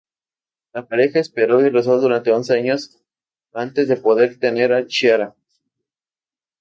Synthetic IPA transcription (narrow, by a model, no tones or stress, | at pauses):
lapaɾe̞xaespe̞ɾo̞ires̬o̞ðuɾant̪e̞o̞nse̞aɲo̞s | ant̪e̞zðe̞po̞ðe̞ɾt̪e̞ne̞ɾat͡ʃjaɾa